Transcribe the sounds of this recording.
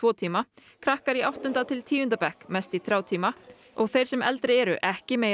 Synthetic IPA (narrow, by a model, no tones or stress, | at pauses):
vɔːt̪ʰiːma | kʰɾahkaɾiawht̪ʏnt̪at̪ʰɪlt̪ʰiːjʏnt̪apɛhkmɛst̪iθɾjaːwt̪ʰiːma | ɔɣθejɾ̥sɛmʔɛlt̪ɾɪɛːɾʏʔɛhcɪmeːj